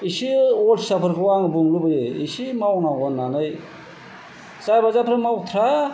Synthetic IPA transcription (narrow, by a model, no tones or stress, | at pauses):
isiɔlsapʰəɾkɯwaŋbuŋlubɯjeisimawnawɡɔnːanɯj | zajbazapʰɾɯmawt̪ʰɾa